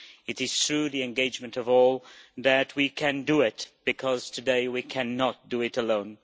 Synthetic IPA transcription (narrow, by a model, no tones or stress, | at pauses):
ɨɾɨz̥tʰɹʉðiɨ̃nɡeɪd͡ʒmɨ̃ntʌvɔlˠðɨt̚wikʰɨ̃ndɨɪt̚b̥ɨkʰʌz̥tʰɨdeɪwikʰæ̃nət̚d̥ɨɪɾəlõʊ̃n